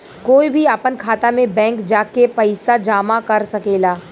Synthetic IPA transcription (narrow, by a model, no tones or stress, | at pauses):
koːibʱiaːpənkʰaːt̪amẽbɛ̃ːŋkd͡ʒaːkepɐɪsad͡ʒaːmakɐɾsɐkeːlaː